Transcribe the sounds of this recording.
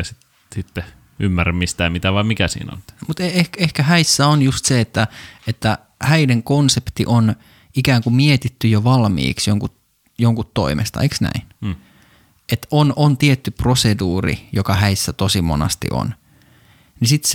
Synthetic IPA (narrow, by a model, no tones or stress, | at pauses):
ɑsit̪ | sit̪ːe | ymːæræmmist̪æːmit̪æʋɑimikæsḭːno̰nt̪mut̪eehkehkæhæisːæonjust̪seet̪ːæet̪ːæ | hæineŋkonsept̪ḭʔon | ikæːŋkumiet̪it̪ːyjoʋɑlmḭːksjoŋkut̪ | joŋkut̪to̰imʔḛst̪ɑ̰eksnæ̰inː | et̪onʔont̪iet̪ːyproseduːrḭjokɑhæisːæt̪osimo̰nɑ̰st̪ḭʔo̰n | nisit̪s